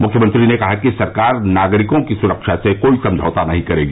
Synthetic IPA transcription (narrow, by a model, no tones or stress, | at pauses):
mʊkʰjəmə̃nt̪ɾinekɐɦakisɐɾkaːɾnaːɡɾɪkõkisʊɾəkʃasekoːisɐ̃md͡ʒʱɔːt̪anɐɦĩkɐɾeːɡa